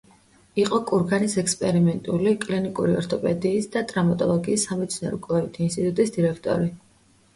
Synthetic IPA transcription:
iqʼɔkʼuɾɡanisɛkspʼɛɾimɛnt̪ʼulikʼlinikʼuɾiɔ̰ɾt̪ʰɔpʼɛd̪iːsd̪at̪ʼɾamat̪ʼɔlˠɔɡiːsːamɛt̪sʰnaɾɔkʼlavit̪ʰainst̪ʼit̪ʼut̪ʼisd̪iɾɛkʰt̪ʼɔ̰ɾi

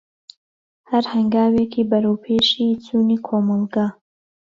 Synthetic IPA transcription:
hɐɾhɐŋɡaːweːkʰiːbɐɾowpʰeːʃit͡suːniːkʰomɑlˠɡa

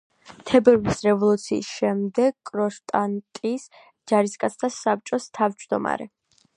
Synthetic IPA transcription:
t̪ʰɛbɛɾvisɾɛvɔlˠut̪sʰḭːsʃɛmd̪ɛɡ̚kʼɾɔʃt̪ʼant̪ʼis | d͡ʒaɾiskʼat̪sʰt̪ʰasap̚t͡ʃʼɔst̪ʰavd͡ʒd̪ɔma̰ɾɛ̰

